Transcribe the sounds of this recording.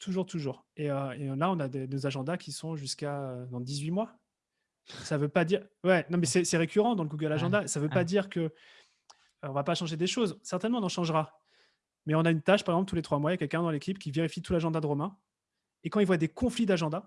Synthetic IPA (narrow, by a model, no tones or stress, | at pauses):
t̪uʒuʁt̪uʒuːʁeøelaɔ̃nad̪enozaʒɑ̃d̪akʲʰisɔ̃ʒyskaød̪ɑ̃d̪izɥimwa | savøpad̪iʁwɛnɔ̃mɛsɛsɛʁekʲyʁɑ̃d̪ɑ̃ləɡuɡœlaʒɑ̃d̪aesavøpad̪iʁkə | øɔ̃vapaʃɑ̃ʒed̪eʃozsɛʁt̪ɛnmɑ̃nɑ̃ʃɑ̃ʒʁa | mɛɔ̃naynt̪aʃpaʁeɡzɑ̃plt̪ulet̪χwamwajakʲɛlkʲɛ̃d̪ɑ̃lekʲipkʲiveʁifit̪ulaʒɑ̃d̪ad̪əʁɔmɛ̃ | ekɑ̃ilvwad̪ekɔ̃flid̪aʒɑ̃d̪a